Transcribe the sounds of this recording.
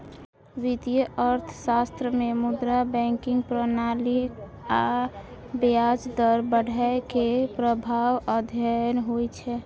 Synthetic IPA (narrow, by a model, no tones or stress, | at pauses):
ʋit̪ijəʔəɾt̪ʰsast̪ɾəmemud̪ɾabɛ̃ŋkɪŋɡ̚pɾənalik | a | bead͡ʒd̪əɾbəɽ̤ʱaekepɾəbʱawəd̪ʱjənɦojt͡ʃʰɛ